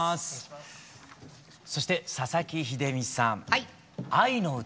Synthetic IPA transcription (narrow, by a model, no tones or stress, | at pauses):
sɨ̥ | so̞ɕi̥t̪e̞sasakʲiçid̪e̞mʲisãɴ | ainoɯ̟